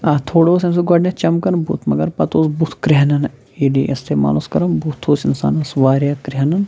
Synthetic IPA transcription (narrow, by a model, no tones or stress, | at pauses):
at̪ʰoːɽoːsɐms̬iɡɐɖnet͡ʃɐmkɐnbṵːt̪ʰmɐɡɐɾpɐt̪oːsbut̪ʰkɾeɦɐnɐn | iliʔɐ̰st̪eːma̰ːloːskɐɾɐmbut̪ʰːoːsinsa̰ːnɐsʋaːɾjaːkɾiɦɐnɐn